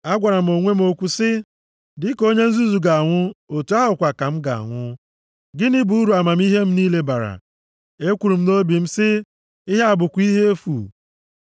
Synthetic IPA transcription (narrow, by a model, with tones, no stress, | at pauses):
a˦ɡʷa˨ɾa˨m̩˨o˨ŋʷe˦m̩˦o˨kʷu˨sɪ˦ | dɪ˦ko˦ɲe˦n̩˦zu˦zu˨ɡa˨a˨ŋʷʊ˦o˨tu˨a˦ɦʊ˨kʷa˨ka˨m̩˦ɡa˨a̰˨ŋʷʊ˦ | ɡɪ˦nɪ˦bu˨u˦ɾu˨a˨ma˨m̩˦i˦ɦe˦m̩˦ni˦le˦ba˨ɾa̰˨ | e˦kʷu˨ɾu˨m̩˦no˦bi˨m̩˦sɪ˦ | ɪ˦ɦe˦a˨bʊ˨kʷi˦ɦe˦e˦fṵ˨